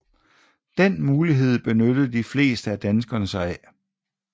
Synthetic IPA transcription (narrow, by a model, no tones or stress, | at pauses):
d̥en̰muːliɦe̝ð̞̰ˠb̥e̝nød̥əð̩ˠd̥ifle̝̰ːsd̥əæd̥ænsɡ̥ɐnəsɑɪæ